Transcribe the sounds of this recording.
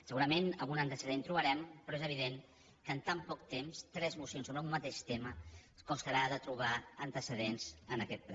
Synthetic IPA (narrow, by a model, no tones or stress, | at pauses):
səɣuɾəmenəunənt̪əsəðent̪ɾuβəɾɛmpɾɔezəβ̞iðeŋ | kənt̪ampɔk̚t̪emst̪ɾɛzmusionsoβɾəɣumət̪eʃt̪emə | kust̪əɾaðət̪ɾuβ̞aənt̪əsəðenzənəkɛt̪̚plɛ